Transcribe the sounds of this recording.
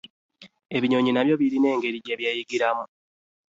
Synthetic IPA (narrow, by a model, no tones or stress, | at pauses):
e̞βiɲo̞ːɲinaβjo̞βiɾine̞ːŋɡe̞ɾiɟeβjejiɡiɾamu